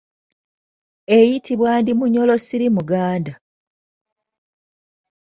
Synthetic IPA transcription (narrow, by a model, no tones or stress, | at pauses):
e̞jitʰiβwaːndimuɲo̞lo̞siɾimuɡaːnda